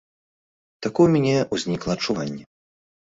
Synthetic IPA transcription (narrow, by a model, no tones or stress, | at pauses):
t̪akɔjumʲɛnʲɛuzʲnʲiklˠɐːt͡ʂːuvanʲːɛ